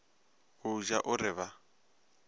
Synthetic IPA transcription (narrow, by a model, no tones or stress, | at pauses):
ɦʊʒaʔʊɾɪβa